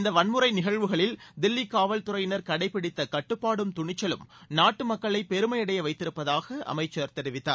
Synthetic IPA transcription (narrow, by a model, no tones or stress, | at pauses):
ɪnd̪ɐʋɐnmɯɾɐɪnɪɣɐɻʋɯɣɐɭɪld̪ɪlːikaːʋɐlt̪ʊɾɐjɪnɐɾkɐɽɐɪpːɪɽɪt̪ːɐkɐʈːɯpːaːɽɯmt̪ʊɳɪt͡ʃːɐlɯ̰mnaːʈːɯmɐkːɐɭɐɪpɛɾɯmɐjɐɽɐjɐʋɐɪt̪ːɪɾɯpːɐðaːɣɐʔɐ̰mɐɪt͡ʃːɐɾt̪ɛɾɪʋɪt̪ːaːɾ